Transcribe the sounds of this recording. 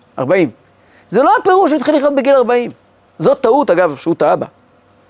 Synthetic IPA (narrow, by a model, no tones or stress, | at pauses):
ʔa̰ʁbaim | zelo̞apeʁuʃ̬ujt̪χiliχjot̪beɡilaʁbaim | zo̞t̪ːaut̪aɡavʃeut̪aaba̰